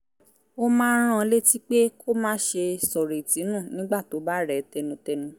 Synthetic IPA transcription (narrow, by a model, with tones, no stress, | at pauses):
o˧mãː˦ɾ̃ã˦˧˦le˦ti˦k͡pe˦kʰo˦mãː˦ʃe˧sɔ˨ɾe˨tĩ˨˦nũ˦˨nĩ˦ɡ͡ba˦˨to˨˦ba˦ɾɛ˨tɛ˧nũ˧tɛ˧nũ˧